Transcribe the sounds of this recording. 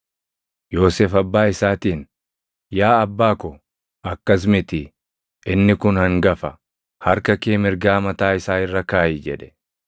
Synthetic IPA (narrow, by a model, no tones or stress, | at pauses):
jo̞ːseːfɐbːaːɪsaːt̪iːn | jaːɐbːaːkɔ | ʔɐkːɐs̬mɪt̪ɪ | ɪnːɪkʊnhɐŋɡɐfɐ | hɐɾkɐkeːmɪɾɡaːmɐt̪aːɪsaːɪrːɐkaːjɪd͡ʒɛᶑɛ̥